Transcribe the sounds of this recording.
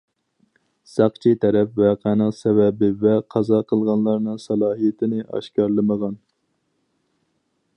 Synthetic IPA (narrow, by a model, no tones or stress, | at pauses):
sɑqt͡ʃʰit̪ʰɛɾɛpvɛqʰænɨqsɛvɛbɪvɛqʰɑzɑqʰəlˠʁɑnlˠɑɾnɨŋsɑlˠɑːɦijɪt̪ʰɪnɪʔɑ̰ʃkʲɑɾlˠɨməʁɑn